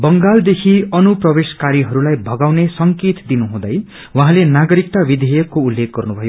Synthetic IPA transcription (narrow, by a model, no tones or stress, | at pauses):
bʌŋɡald̪ekʰiʌnuprʌbeskaɾiɦʌɾulajbʱʌɡawnesʌŋket̪d̪inuɦũd̪ʌj | waɦãlenaɡʌɾikt̪abid̪ʱejʌkːoulːek̚ɡʌrnubʱʌjo